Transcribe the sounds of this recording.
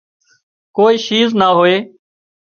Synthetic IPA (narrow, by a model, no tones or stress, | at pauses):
koːiːʃiːznaːɦoːeː